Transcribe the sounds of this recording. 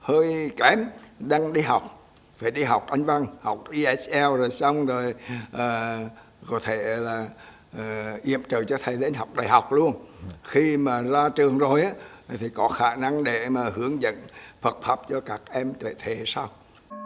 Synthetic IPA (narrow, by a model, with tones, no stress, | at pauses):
həː˧jkɛ˨˦mɗaː˧ŋɗi˧ɦa˨˩wk͡p̚ | faː˧˩jɗi˧ɦa˨˩wk͡p̚ʔa˧jŋ̟va˧ŋha˨˩wk͡p̚ʔi˧ʔɛ˧˥t͡ɕʔɛ˧wzo˨˩jsa˧wŋ͡mzo˨˩jʔəː˨˩ | kɔ˨˦t̪ʰe˧˩laː˨˩˨ | ʔi˧˨əmt͡ɕəː˨˩t͡ɕɔ˧t̪ʰə˨˩jɗe˨˧˦nɦa˨˩wk͡p̚ɗa̰ː˨˩ɦa˨˩wk͡p̚lu˧ənxi˧maː˨˩zaː˧t͡ɕɨ˨˩əŋzo˨˩jʔaː˨˦t̪ʰi˨˩kɔ˨˦xaː˧˩na˧ŋɗe˧˩maː˨˩hɨ˨˦əŋzə̰˧˨nfə˨˩t̚fə˨˦˩p̚t͡ɕɔ˧kaː˦˥k̚ʔɛ˧mt̪e˧˨t̪ʰe˨˩˦saː˧w